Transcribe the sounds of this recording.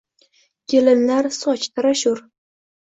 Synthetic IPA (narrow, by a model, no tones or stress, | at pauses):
kʲʰelɪnlaɾsɒt͡ʃt̪ʰaɾaʃʊɾ